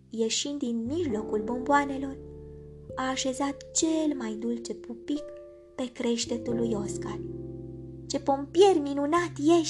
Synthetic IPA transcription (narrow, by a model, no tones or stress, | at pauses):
je̞ʃind̪d̪inmiʒlo̞kulbo̞mboane̞lo̞r | aːʃe̞zat̪t͡ʃe̞lmajd̪ult͡ʃe̞pupik | pe̞kɾe̞ʃt̪e̞t̪ulːujo̞skal | t͡ʃe̞po̞mpije̞rʲminunat̪jeʃ